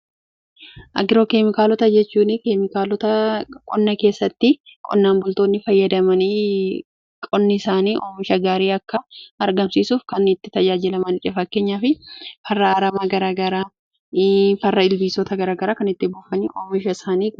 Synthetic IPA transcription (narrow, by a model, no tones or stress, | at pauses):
ʔɐ̰ɡɪɾoːkemɪkaːlɔt̪ɐd͡ʒɛt͡ʃːuːnɪkemɪkalɔt̪ɐkʼɔnːɐke̞ːsːɐt̪ːɪkʼɔ̰nːaːmbʊlt̪o̞ːnːɪfɐjːɐd̪ɐmɐniː | kʼɔnːɪsaːniːʔoːmɪʃɐɡaːɾiːɐkːɐɐɾɡɐmsiːsuːfkɐnɪt̪ːɪt̪ɐd͡ʒaːd͡ʒɪlɐmɐnɪt͡ʃʼɛfɐkːe̞ːɲːaːfɪfɐrːɐɐɾɐmaːɡɐɾaːɡɐɾaː | fɐrːɐɪlbiːsɔt̪ɐɡɐɾaːɡɐɾaːkɐnɪt̪ːɪbuːfɐniːʔoːmɪʃɐɪsaːniː